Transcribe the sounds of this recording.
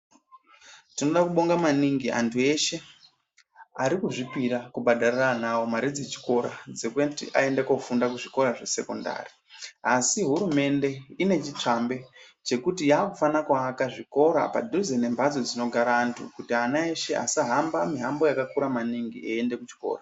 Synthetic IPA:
tino̞ɗakuɓo̞ŋɡamaniŋɡiʔa̰ntʰue̞ʃe̞ | aɾikuʐipiɾakubʱaɗariranawomaɾid͡ze̞t͡ʃi̥ko̞ɾad͡zeketiʔae̞ndekofundakuʐiko̞ɾaʐe̞se̞ko̞̰nda̰ːri | asiɦuɾume̞nde̞ine̞t͡ʃit͡ʂambe̞t͡ʃe̞kutijaːkufanakwaːkaʐiko̞ɾa̰pa̰dʱuzene̞mbad͡zo̞d͡zino̞ɡʱaɾaːntʰṵkutianae̞ʃe̞ʔa̰saɦambamiɦambo̞jakakuɾamaniŋɡieende̞kut͡ʃi̥ko̞̰ːra

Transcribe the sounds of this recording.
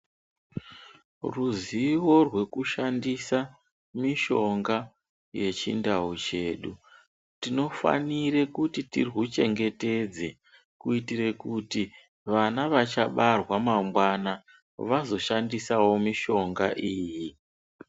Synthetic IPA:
ruziwo̞rwe̞kuʃandisa | miʃo̞ŋɡa | je̞t͡ʃḭndaut͡ʃe̞ːɗu | tino̞fa̰nirekutitḭrwut͡ʃe̞ŋɡe̞te̞d͡ze̞ | kuitiɾe̞kuti | ʋanaʋat͡ʃaɓarwamamwana | ʋazo̞ʃandisawo̞miʃo̞ŋɡaʔiːji

